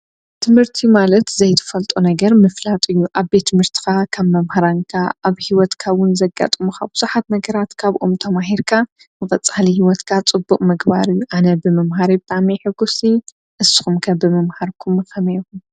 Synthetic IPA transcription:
t̪ʰɨmhɨɾt̪ʰimalɐt̪zɐjt̪ʰɨ̥fɐlt̪ʼunɐɡɐɾmɨflat̪ʼɨjːuʔaβbet̪ʰːɨmhɨɾt̪ʰi̥xakʰɐβmɐmhaɾaŋkʰaʔaβhiwɔt̪kʰawʊnzɐɡa̰t̪ʼmuxabɨz̥uħat̪nɐɡɐɾat̪kʰaβʔo̰mt̪ʰɐmaɦiɾkʰa | mɨkʼɐt͡sʼalihiwɔt̪kʰat͡sʼɨbːuqʼmɨɡba̰ɾɨjːuʔanɐbɨmɐmɦaɾibɨt̪ʼameħɨɡusi | ʔɨsɨ̥xumkʰɐbɨmɐmhaɾkʰumxɐmejkum

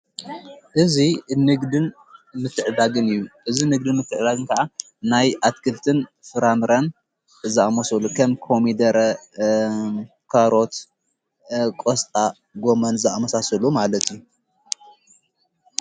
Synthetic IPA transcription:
ʔɨzinɨɡd̪ɨn | mɨt̪ʰːɨʕd̪aɡɨnɨjːuʔɨzinɨɡ̚d̪inmɨt̪ʰːɨʕd̪aɡɨnkʰɐʔa | najat̪kʰɨlt̪ʰɨnfɨɾamɾɐn | zaʔamosɐlukʰɐmkʰomid̪ɐɾɐ | kʰaɾo̞t̪ | kʼost̪ʼa | ɡomɐnzɨʔamɐsasɐlumalɐt̪ʰijːu

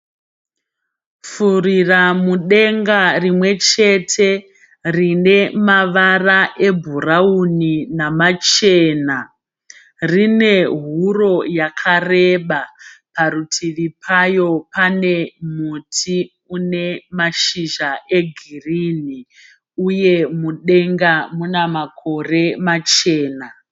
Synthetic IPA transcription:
furiramuɗe̞ŋɡarimwe̞t͡ʃe̞tʰe̞ | rine̞maʋaraʔe̞bʱurauninamat͡ʃeːna | rine̞ɦuro̞jakʰare̞ɓapaɾutʰiʋipʰajo̞pane̞mutʰi | une̞maʃiʒaʔe̞ɡʱirini | uje̞muɗe̞ŋɡamunamakʰo̞re̞mat͡ʃe̞ːna

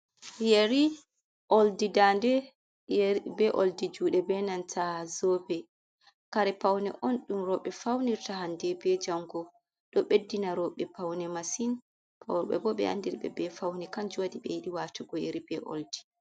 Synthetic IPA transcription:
jeɾi | ʔoldidandɛ | jbɛʔoldid͡ʒuːɗɛbɛnantʰazɔbɛ | kaɾɛpawnɛʔɔnɗumɾɔɓɛfawniɾtaɦandɛbɛd͡ʒaŋɡɔ | ɗɔɓedːinaɾɔɓɛpawnɛmasin | pʰaɓɛ̰bɔɓɛ̰a̰ndiɾbɛ̰bɛfawnɛkand͡ʒuwadiɓɛjiɗiwatuɡɔjeɾibɛʔo̰ldi

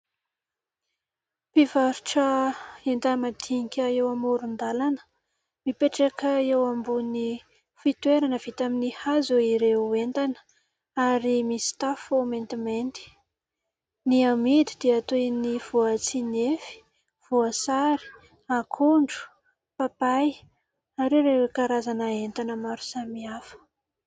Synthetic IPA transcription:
pivaɾuʈ͡ʂəent̪amad̪iŋikʲəewamuɾund̪alanə̥ | mipeʈ͡ʂakəewambuni | fit̪weɾanəvit̪aminihazoiɾeuent̪anə̥ | aɾimist̪afoment̪iment̪i̥ | niamid̪id̪̥iat̪ojniv̥uat͡sinefi̥ | v̥uasaɾi̥ | akʰuɳɖ͡ʐu̥ | papaj | aɾeɾewekaɾazanaent̪anəmaɾu̥samiafə̥

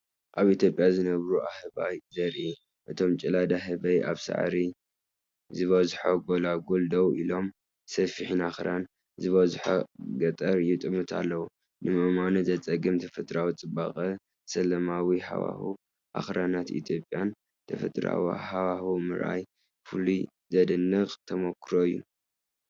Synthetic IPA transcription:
ʔaβit̪ʰjo̞pʼːjazɨnɐβɾuʔahɨβajzɐɾʔi | ʔɨt̪ʰo̞mt͡ʃʼɨlad̪aɦɨβɐjʔaβsa̰ʕɾi | zɨβɐzħoɡolaɡold̪owilo̞m | sɐfiħinaxɾan | zɨβɐzħo̰ɡɐt̪ʼɐɾjɪt̪ʼɨmɨt̪ʰa̰lːɐwu | nɨmɐmanɨzɐt͡sʼɐɡɨmt̪ʰɐfɐt̪ʼɾawit͡sʼɨbaχʼɐ | sɐlɐmawiha̰wa̰hu | ʔa̰xɾanat̪ḭt̪ʰjo̞pʼjan | t̪ʰɐfɐ̰t̪ʼɾa̰wiħawahumɨɾʔa̰j | fuli | zɐd̪ɨnːɨɣʼt̪ʰɐmokʰːɾoɨjːu

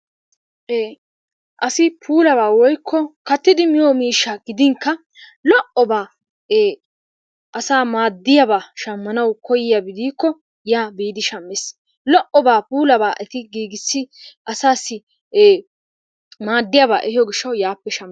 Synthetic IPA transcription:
ʔeː | ʔɐsɪpʰuːlɐβaːwɔjkʰːɔkɐt̪ːɪd̪ɪmɪjɔmiːʃːaɡɪd̪ɪŋkːɐ | lɔʔɔbaː | eː | ʔɐsaːmaːd̪ːɪjɐbaːʃɐmːɐnɐwkɔjɪjabɪd̪iːkːɔ | jaːbiːd̪ɪʃɐmːɪs | lɔʔɔbaːpuːlɐbaːʔɛt̪ɪɡiːɡɪsːɪʔɐsaːsɪ | eː | maːd̪ːɪjabaːʔɛhɪjɔɡɪʃːɐwjaːpːɛʃɐmː

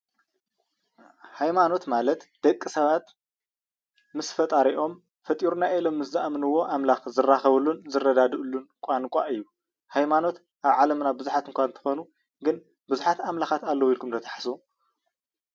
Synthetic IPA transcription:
hajmano̞t̪malɐt̪d̪̥ɐkʼːisɐβat̪ | mɨsfɐt̪ʼaɾiʔo̞m | fɐt̪ʼiɾunaʔɛlo̞mːɨszaʔamɨnɨwːo̞ʔamlaxzɨrːaxɐβɨlːunzɨrːɐd̪ad̪ɨʔɨlːunkʷʼankʼa̰ʔɨjːu | hajmano̞t̪ | ʔaβʕalɐmnabɨzuħat̪ʰɨŋkʷʰaɨnt̪ʰɨ̥xonu | ɡɨn | bɨzuħat̪amlaxat̪alːɐwjilkʰumt̪ʰɐt̪ʰḁħasu

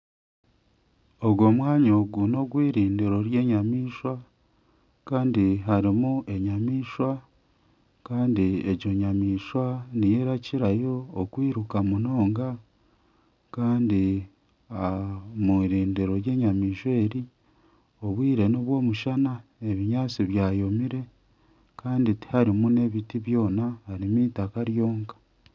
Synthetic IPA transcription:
o̞ɡwo̞mwaːɲoɡuno̞ɡwiːɾiːndiɾo̞ɾje̞ːɲamiːʃwa | kaːndiɦaɾimuʔe̞ɲamiːʃwa | kaːndieɟo̞ɲamiːʃwanijeɾaciɾajo̞ːkwiːɾukamuno̞ːŋɡa | kaːndi | amuɾiːndiɾo̞je̞ːɲamiːʃweːɾi | oβwiːɾe̞noβwo̞ːmuʃanae̞βiɲaːt͡siβjaːjo̞miɾe̞ | kaːnditi̥haɾimune̞βitiβjo̞ːnahaɾimiːtakaɾjo̞ːŋkḁ

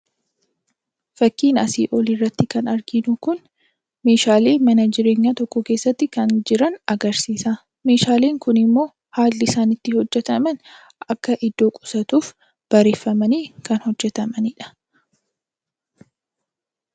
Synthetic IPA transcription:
fɐkːiːnɐ̰siːʔɔlirːɐt̪ːɪkɐnɐɾɡɪnʊkʊn | me̞ːʃaːle̞ːmɐnɐd͡ʒɪɾeːɲːat̪ɔkːɔke̞ːsːɐt̪ːɪkɐnd͡ʒɪɾɐnɐɡɐɾsiːsa | me̞ːʃaːle̞ːŋkʊnɪmːo̞ː | haːlːɪɪsaːnɪt̪ːɪhɔd͡ʒːɛt̪ɐmɐn | ʔɐkːɐʔɪd̪ːo̞ːkʼʊ̥sɐt̪uːf | b̥ɐɾeːfːɐmɐniːkɐnhɔd͡ʒːɛt̪ɐmɐnɪᶑɐ̥

